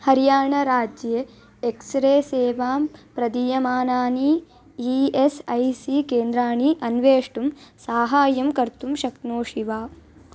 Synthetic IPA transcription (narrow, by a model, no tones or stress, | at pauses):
hɐɾijaːɳɐɾaːd͡ʒjeː | ksɾeːseːʋaːmpɾɐd̪ijɐmaːnaːni | iesɐjsikeːnd̪ɾaːɳiʔɐnʋeːʂʈumsaːɦaːjɐmkɐɾt̪umʃɐk̪noːʃiʋaː